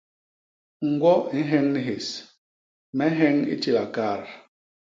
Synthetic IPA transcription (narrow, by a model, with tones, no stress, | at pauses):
ŋ̩˨ɡwɔ˦i˦ɦɛ˦ŋni˦ɦe˨s | mɛ˦ɦɛ˦ŋḭ˦t͡ʃi˦˨la˨kaː˦˨ɾ